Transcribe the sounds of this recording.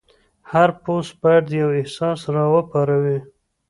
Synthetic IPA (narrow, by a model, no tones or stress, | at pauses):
haɾpospəaɽd̪jawɪhsɑsɾɑwəpɑɾawi